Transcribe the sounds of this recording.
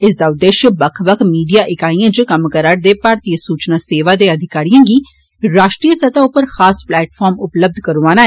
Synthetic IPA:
ɪs̬d̪aːʊd̪ːeːʃjəbəkʰʋəkʰmiːɖijaːʔɪkaːijãːd͡ʒəkəmkəɾaːɽd̪eːpaːɾt̪iːəsuːt͡ʃnaːseːʋaːd̪eːəd̪ʱɪkaːɾijãːɡiː | ɾaːʃʈɾiːəsət̪aːʊpəɾxaːsplɛːʈfʰɔːɾmʊpləb̚d̪ʱkəɾuaːnaːɛ

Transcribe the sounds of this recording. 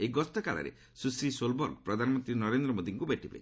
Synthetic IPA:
eɡɔst̪ɔkaɭa̰ɾḛ | susɾisolbɔɾpɾɔd̪ʱanɔmɔnt̪ɾinɔɾend̪ɾɔmod̪iŋkubeʈibḛ

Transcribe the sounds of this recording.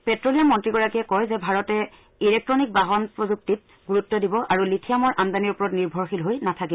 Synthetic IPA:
pɛtɹolijamɔntɹiɡɔɹakiɛkɔjzɛbʱaɹɔtɛ | ilɛk̚tɹɔnik̚baɦɔnpɹɔzuk̚tit̚ | ɡuɹutːɔdibɔʔaɹulitʰijamɔɹʔandaniɹupɔɹɔtniɹbʱɔɹxilɦojnatʰakibɔ

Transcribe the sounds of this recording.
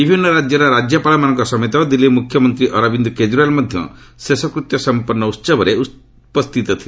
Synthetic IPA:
d̪ibʱinːɔɾad͡ʒjɔɾɔɾad͡ʒjɔpalɔmanɔŋkɔsɔmet̪ɔd̪ilːimukʰːjɔmɔnt̪ɾiʔɔɾɔbind̪ɔked͡ʒuɾalmɔd̪ʱjɔ̰ | sesɔkɾut̪jɔsɔmpɔɾnːɔut̪sɔbɔɾeu | pɔst̪ʰit̪ɔt̪ʰil

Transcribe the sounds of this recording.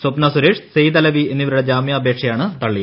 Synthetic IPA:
sopnasuɾeːʂsejt̪ɐlɐʋienːiʋɐɾuɽed͡ʑaːmjɐːbʱeːkʂɐjaːɳɨt̪ɐɭːi

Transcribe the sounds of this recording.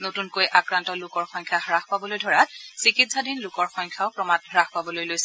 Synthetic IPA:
notunkojʔakɹantɔlʊkɔɹxɔŋkʰjaɦɹaxpabɔlojdʱɔɹatsikitsadinlʊkɔɹxɔŋkʰjaʊpɹɔmat̚ɦɔɹaxpabɔlojlojsɛ

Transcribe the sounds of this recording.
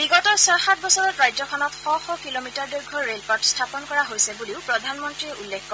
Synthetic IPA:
biɡɔtɔsɔxat̚bɔsɔɹɔtɹajzɔkʰɔnɔtxɔxɔkilomitaɹdojɡʱɔɹelpɔtstʰapɔnkɔɹaɦojsɛbuliʊpɹɔdʱanmɔntɹiɛʔulːekʰkːɔɹ

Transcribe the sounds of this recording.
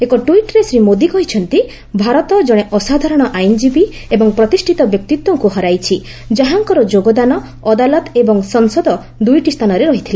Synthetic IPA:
ekɔʈuiʈɾesɾimod̪ikɔɦit͡ʃʰɔnt̪i | bʱaɾɔt̪ɔd͡ʒɔɽ̃eʔɔsad̪ʱaɾɔɽ̃ɔʔajnd͡ʒibi | ebɔŋpɾɔt̪isʈʰit̪ɔbjɔk̚t̪it̪wɔŋkuɦɔɾajt͡ʃʰi | d͡ʒaɦaŋkɔɾɔd͡ʒoɡɔd̪anɔ | ɔd̪alɔt̪ebɔŋsɔŋsɔd̪ɔ | d̪ujʈist̪ʰanɔɾeɾɔɦit̪ʰilae

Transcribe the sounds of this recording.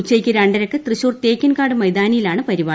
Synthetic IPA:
t͡ɕːejkʲːɨɾaɳɖɐɾɐkːɨt̪rɨɕoːrt̪eːkʲːɐnkaːɽɨmɐjd̪aːnijilaːɳɨpɐɾiʋaː

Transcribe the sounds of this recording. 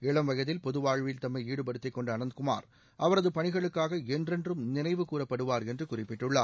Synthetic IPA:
ɛɭɐmʋɐɣɐðɪlpɔðɯʋaːɻʋɪlt̪ɐmːɐɪiːɽɯpɐɽɯt̪ːɐɪkːɔɳɖɐːnɐnd̪kʊma̰ːɾ | ʔɐʋɐɾɐðɯpɐɳɪɣɐɭɯkːaːɣɐɛndrɛndrɯmnɪnɐɪʋɯkuːrɐpːɐɽɯʋaːɾɛndrɯkʊrɪpːɪʈːɯɭːa̰ː

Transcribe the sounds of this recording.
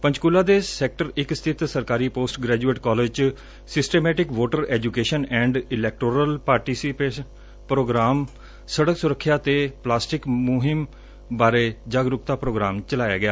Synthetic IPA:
pə̃ɲt͡ʃkulaːd̪eːsɛːk̚ʈəɾɪkst̪ʰɪt̪səɾkaːɾiːpoːsʈɡɾɛːd͡ʒueːʈkɔːleːd͡ʒt͡ʃ | sɪsʈeːmɛːʈɪkʋoːʈəɾɛːd͡ʒukeːʃənɛ̃ːɳɖɪlɛːk̚ʈoːɾəlpaːɾʈiːsɪpeːʃ | pɾoːɡɾaːm | səɽəksʊɾəkʰːjaːt̪eːplaːsʈɪkmʊɦɪm | baːɾeːd͡ʒaːɡɾʊkt̪aːpɾoːɡɾaːmt͡ʃəlaːja̰ːɡɪjaː

